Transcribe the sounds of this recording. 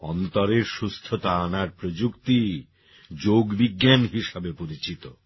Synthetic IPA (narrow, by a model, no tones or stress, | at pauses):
ɔ̰nt̪oɾeɾʃust̪ʰot̪aanaɾpɾod͡ʑukt̪i | d͡ʑoɡbiɡːanɦiʃabepoɾit͡ɕit̪o